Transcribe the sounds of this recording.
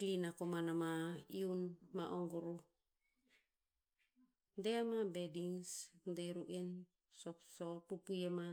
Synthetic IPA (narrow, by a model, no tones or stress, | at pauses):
klinakomanamaiunmaʔoŋɡoɾu | deamabediŋsdeɾuʔen | sosopupujema